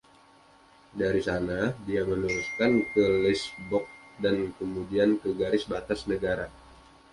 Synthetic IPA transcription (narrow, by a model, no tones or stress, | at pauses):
daɾisanadiamənuɾuskankəlɛsbɔk̚dankəmudiankəɡaɾɪsbat̪asnəɡaɾa